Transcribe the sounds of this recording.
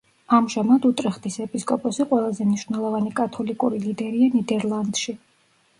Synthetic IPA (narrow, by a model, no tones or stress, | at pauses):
amʒamad̪ut̪ʼɾɛχd̪isɛpʼiskʼɔpʼɔsiqʼwɛlˠazɛmniʃv̥nɛlˠɔvanikʼat̪ʰɔlikʼuɾilid̪ɛɾianid̪ɛɾlˠand̪̥ʃi